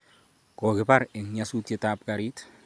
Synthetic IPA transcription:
kokɪpaɾeŋɲasutetap̚kaɾit

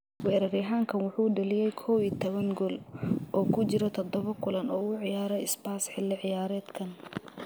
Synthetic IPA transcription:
wɛːɾɐɾɪɦaːŋkʰɐnwʊħuːɖɐlɪjɛjkʰɔːwiːt̪ʰɔβɐŋɡɔlɔːkʰʊt͡ʃɪɾɔt̪ʰɔd̪ɔβɐkʰʊlɐnɔːʊʕɪjaːɾɛjɪsbaːsħɪlːɪʕɪjaːɾɛːd̪kʰɐn

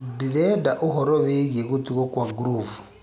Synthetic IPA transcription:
diledaʔuɦoɾoβeɣeɣutiɣokwaɡuɾuvu

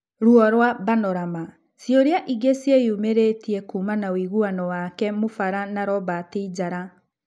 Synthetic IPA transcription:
ɾuɔɾwaβanɔɾama | sjoɾeaʔiɡesiejumeɾetiɛkumanawiɣuanɔwakɛmofaɾanaɾɔβateid͡ʑaɾa

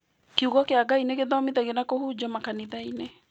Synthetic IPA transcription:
kuɣɔkeaɡaineɣeðɔmiðɛɣenakohud͡ʑɔmakaniðaine

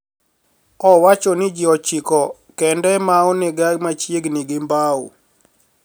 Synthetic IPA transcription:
ɔwat͡ʃɔnɪd͡ʒɪɔt͡ʃikɔ | kɛndɛmaɔnɪɡaɡmat͡ʃjeɡniɡɪmbaṵ

